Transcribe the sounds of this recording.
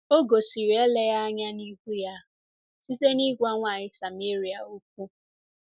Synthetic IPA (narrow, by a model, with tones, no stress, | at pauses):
o˦ɡo˨si˨ɾi˨e˦le˦ja˦a˦ɲa˦ni˦ɡʷu˦ja˦ | si˦te˦ni˦ɡʷa˦ŋʷaː˨ɲɪ˦sa˨me˦ɾi˨a˨o˦k̚ʷu˦